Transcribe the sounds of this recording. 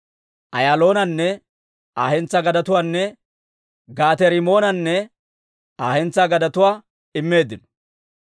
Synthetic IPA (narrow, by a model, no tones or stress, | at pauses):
ʔɐjaːlo̞ːnɐnːɛ | aːhɛnt͡sːɐɡɐd̪ɐt̪ʊwaːnːɛ | ɡaːt̪ɛɾɪmo̞ːnɐnːɛ | aːhɛnt͡sːaɡɐd̪ɐt̪ʊwaː | ɪmːe̞ːd̪ːɪnɔ̥